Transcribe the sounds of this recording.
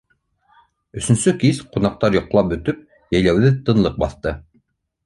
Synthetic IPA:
ɵ̆sɵ̆nsɵkizqunɑq̚t̪ɑɾjŏqlˠɑp̚bɵ̆t̪ɵp̚ | jæ̆jlæwðɘt̪ɤ̆nlˠɤq̚bɑθt̪ɤ

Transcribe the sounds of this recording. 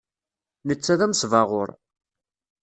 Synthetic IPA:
nət͡sːæðæmsvɑʁoɾˤ

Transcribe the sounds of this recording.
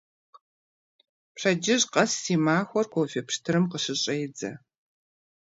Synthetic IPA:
pɕɐd͡ʒɪʑqɐsːiːmaːxʷɔrkʷʰofepʂtʰɨɾɨmqəʂɨɕʼɐjd͡zɐ

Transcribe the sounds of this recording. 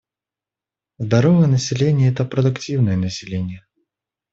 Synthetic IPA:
zd̪ɐɾovəjənəsʲɪlʲenʲɪjəɛt̪əpɾəd̪ʊktʲivnəjənəsʲɪlʲenʲɪjə

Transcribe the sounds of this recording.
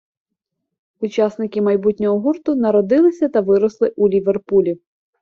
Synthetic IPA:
ut͡ʃɑsnɪkɪmɐjbutʲnʲɔɦɔɦurt̪ʊnɐɾɔd̪ɪlˠɪsʲɐt̪ɐʋɪɾɔslˠɪʔulʲiʋerpulʲi

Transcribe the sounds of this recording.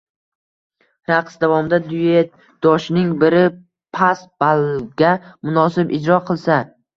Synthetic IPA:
ɾaqsd̪avɒmɪd̪ad̪ʊje | d̪̥ɒʃnɪŋbɪɾɪ | pʰasb̥alˠɡʲamʊnɒsɪbɪd͡ʒɾɒqʰɨlˠsa

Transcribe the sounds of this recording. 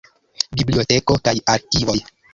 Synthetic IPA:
biblio̞te̞ko̞kajaɾkivo̞j

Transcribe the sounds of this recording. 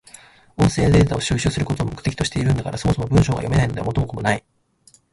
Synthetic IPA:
õ̞ɰ̃se̞ːnd̪e̞ːt̪ao̞ɕɨːɕɨːsɨɾɯ̟ko̞t̪o̞ːmo̞kɯ̟̥t̪e̞kʲi̥t̪o̞ɕi̥e̞iɾɯ̟nd̪akaɾʔaso̞moso̞mo̞bɯ̟̃ɰɕo̞ːɡa̰jo̞me̞naino̞d̪e̞amo̞t̪ːomokomo̞nai

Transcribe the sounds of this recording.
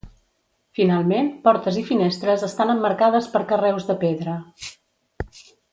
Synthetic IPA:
finalˠmenpɔɾt̪əzifinest̪ɾəzəst̪anəmːəɾkað̞əspəɾkərɛwzðəpeðɾə

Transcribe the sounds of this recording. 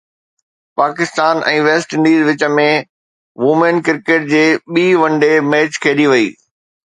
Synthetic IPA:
paːkɪst̪aːnʔɛ̰̃ːʋeːsʈɪ̃ɳɖiːzʋɪt͡ɕə̆mẽ | ʋuːmenkɪɾkeːʈ̚d͡ʑeːɓiːʋɐ̃ɳɖemeːt͡ɕkʰeːɗiʋɐḭː

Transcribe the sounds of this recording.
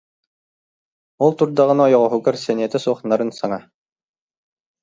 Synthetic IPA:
ulˠt̪uɾd̪aʁɯ̆naɔjɔʁɔɦuɡaɾsɛniɛt̪ɛsuɔχnaɾɯnsaŋa

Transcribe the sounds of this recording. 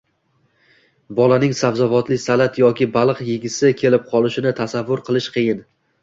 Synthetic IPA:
bɒlanɪŋsavzavɒt̪lɪsalat̪jɒkʲɪbalˠɨqjɪɡʲɪsɪkʲʰe̞lɪp̚qʰɒlˠɪʃɪnɪt̪ʰasavːʊɾqʰɨlˠɪʃqʰɨjɪn

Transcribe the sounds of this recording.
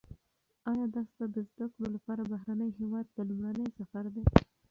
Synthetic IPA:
ɑjɑd̪ɑst̪ad̪əzd̪akɽolapɑɾabaɦɾanəjɦewɑd̪̚ːəlumɽanəjsafaɾd̪e

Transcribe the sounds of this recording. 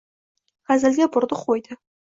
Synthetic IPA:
χazɪ̆lɡʲebʊɾd̪əχojd̪ə

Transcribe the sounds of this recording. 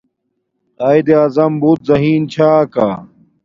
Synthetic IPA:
aːid̪eaːzɐmbuːt̪̚zɐɦiːnt͡ɕʰaːkaː

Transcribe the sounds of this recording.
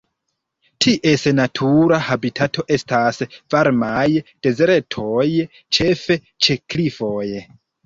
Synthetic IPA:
tʰiʔe̞snatʰuɾahabitʰatʰo̞ʔe̞stasvaɾmajd̥e̞zɾe̞tʰoj | t͡ʃe̞fe | t͡ʃe̞klifo̞j

